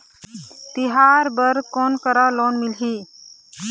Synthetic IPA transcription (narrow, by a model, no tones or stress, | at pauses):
t̪iɦaːɾbəɾkɔːnkəɾaloːnmilɦiː